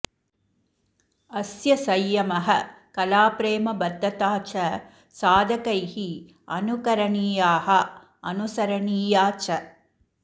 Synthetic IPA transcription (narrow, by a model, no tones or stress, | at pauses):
ɐsjɐsɐjːɐmɐɦɐkɐlaːpɾeːmɐbɐd̪ːɐt̪aːt͡ʃɐ | saːd̪ʱɐkɐjhi | ɐnukɐɾɐɳiːjaːɦɐ | ɐnusɐɾɐɳiːjaːt͡ʃɐ